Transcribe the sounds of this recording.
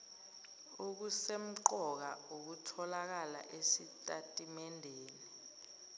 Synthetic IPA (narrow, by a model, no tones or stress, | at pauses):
uk̬usem̩ǃɔk̬auk̬utʰɔlak̬ala̰ʔesitʼatʼimɛndʱeːni